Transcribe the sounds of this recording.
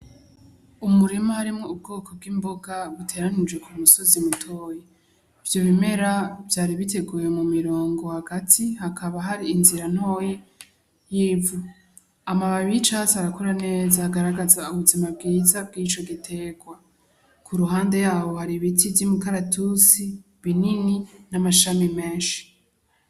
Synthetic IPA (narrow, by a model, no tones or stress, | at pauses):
umuɾimahaɾimŋo̞ub̚ɡo̞ːkʰo̞b̚ɡiːmboɡaβutʰe̞ːɾanid͡ʒwekʰumuso̞zimutʰo̞ːje | iv̥jo̞βime̞ɾavjaːɾiβite̞ɡuːje̞mumiɾoːŋɡo̞haɡatʰihakʰaβaɦaɾiːnziɾan̥ho̞ːje | jiːvu | amaβaβit͡ʃat͡saɾakoɾane̞ːzaːɡaɾaɡazauβuzimab̚ɡiːzab̚ɡiːt͡ʃo̞ɡitʰe̞ɡwa | kʰuɾuɦaːnde̞jaːβo̞haɾiβitivjimukaɾatusi | βinininamaʃamimeːnʃi̥